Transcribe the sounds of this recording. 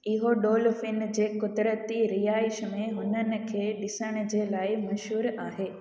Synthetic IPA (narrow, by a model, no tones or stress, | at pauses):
ɪɦoɗoːlfɪnd͡ʑeːkʊd̪ɾət̪iɾɪjaːɪʃmẽɦʊnənɪ̆kʰeːɗɪsəɽ̃ʊ̆d͡ʑeːlaːɪmɐʃɦuːɾaːɦeː